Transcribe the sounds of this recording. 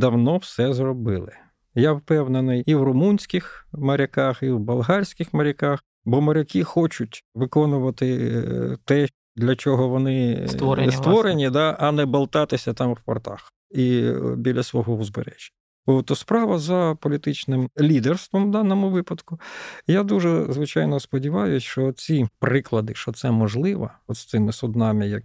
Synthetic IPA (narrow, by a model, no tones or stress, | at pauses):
d̪ɐwnɔwsɛzrɔbɪlˠɪ | jawpɛwnɐnɪjiwrʊmunʲsʲkɪxmɐɾʲɐkɑxiwbɐlˠɦɑrʲsʲkʲɪxmɐɾʲɐkɑx | bɔmɐɾʲɐkixɔt͡ʃʊtʲʋɪkɔnʊʋɐt̪ɪ | t̪ɛ | d̪lʲɐt͡ʃɔɦɔʋɔnɪ | sst̪ʋɔɾenʲid̪ɑʔɐnɛbɐlˠt̪ɑt̪ɪsʲɐt̪ɑmwpɐ̰rt̪ɑ̰x | ibʲilʲɐsʋɔɦɔʊzbḛɾɛʒʲ | ot̪ɔspɾɑʋɐzɐpɔlʲit̪ɪt͡ʃnɪmlʲid̪erst̪ʋɔmd̪ɑnɔmʊʋɪpɐd̪kʊjad̪uʒɛzʋɪt͡ʃɑjnɔspɔdʲiʋɑjʊsʲt͡ʃɔt͡sʲipɾɪklˠɐd̪ɪʃt͡ʃɔt̪sɛmɔʒlˠɪʋɐ̰ɔt̪st̪ɪmɪsʊd̪nɑmɪjɐk